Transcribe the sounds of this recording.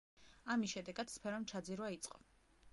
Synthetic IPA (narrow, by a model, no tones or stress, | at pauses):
amisʃɛd̪ɛɡad̪̥spʰɛɾɔmt͡ʃʰad̪ziɾwait̪sʼqʼɔ